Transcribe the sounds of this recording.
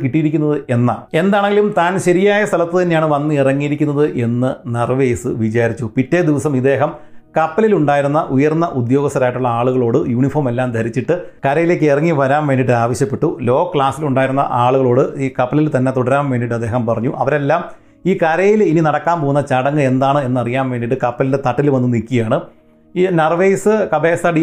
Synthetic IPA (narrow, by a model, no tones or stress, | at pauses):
kiʈːijiɾikʲːunːɐðɨʔe̞nːɐe̞nd̪aːɳe̞ŋɡilumt̪aːnɕɐɾijaːjɐst̪ʰɐlɐt̪ːɨt̪ɐnːe̞jaːɳɨʋɐnːɨirɐŋːijiɾikʲːunːɐðɨʔe̞nːɨnɐrʋejsɨʋit͡ɕaːɾit͡ɕːupitːeːd̪iʋɐsɐmid̪e̞ːɦɐmkɐpːɐliluɳɖaːjiɾunːɐʔujɐrnːɐʔud̪jo̞ːɡɐst̪ɐɾaːjiʈːuɭːɐaːɭuɣɐɭo̞ːɽɨjuːɳifoːrme̞lːaːmd̪ʱɐɾit͡ɕːiʈːɨkɐɾɐjile̞ːk̬ːerɐŋːiʋɐɾaːmʋe̞ːnːiʈ̬ːɨaːʋɐɕjɐpːe̞ʈːulo̞ːɐkɭaːsiluɳɖaːjiɾunːɐ̰ʔaːɭuɣɐɭo̞ːɽɨiːkɐpːɐlilt̪ɐnːe̞t̪uɽɐɾaːmʋeːnːiʈ̬ːɐd̪ːeːɦɐmpɐrɐɲːuʔɐʋɐɾelːaːm | iːkɐɾɐjilininɐɽɐkːaːmpoːunːɐt͡ɕɐɽɐŋːɨe̞nd̪aːɳɨe̞nːɨɐrijaːmʋe̞ːnɖiʈːɨkɐpːɐlilnde̞t̪ɐʈːilʋɐnːɨnikʲːijaːɳɨ | inɐrʋejsɨkɐbeːsɐɖi